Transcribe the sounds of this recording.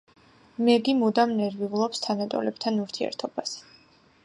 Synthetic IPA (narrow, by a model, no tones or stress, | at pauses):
mɛɡimud̪amnɛɾviʁlˠɔpst̪ʰanat̪ʼɔ̰lɛb̚t̪ʰanuɾt̪ʰiɛ̰ɾt̪ʰɔb̥as